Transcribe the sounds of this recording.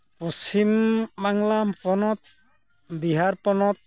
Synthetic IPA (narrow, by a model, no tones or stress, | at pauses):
pɔst͡ʃimːaŋlampɔnɔt̪̚ | biɦaɾpɔnɔt̪̚